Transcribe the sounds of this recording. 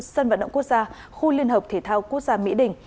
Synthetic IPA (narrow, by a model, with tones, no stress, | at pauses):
sə˧nva̰˧˨nɗə̰˧˨kək̚zaː˧ | xu˧li˧ənhə˨˩p̚t̪ʰe˧˩t̪ʰaː˧wku˦˥ək̚zaː˧mḭ˧˥ɗï˨˩ŋ̟